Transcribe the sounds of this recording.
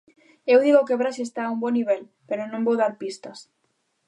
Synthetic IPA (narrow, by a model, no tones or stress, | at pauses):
ewðiɣokeβɾaʃest̪aːumbɔniβ̞ɛl | peɾonõmbowðaɾpist̪ɐs